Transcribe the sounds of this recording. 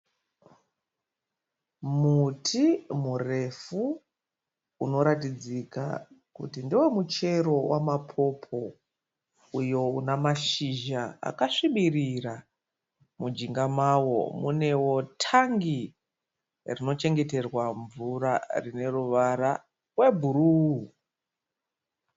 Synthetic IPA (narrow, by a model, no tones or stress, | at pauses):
mutʰimure̞fu | uno̞ɾatid͡zika̰kṵtindiwemut͡ʃe̞ɾo̞wʔamapʰo̞pʰo̞ | ujo̞unamaʃiʒaa̰kaʂiɓirira | mud͡ʒiŋɡamawo̞̰mune̞wo̞tʰaŋɡi | rino̞t͡ʃe̞ŋɡe̞te̞rwaɱvurarine̞ruʋaɾa | we̞bʱuɾuːu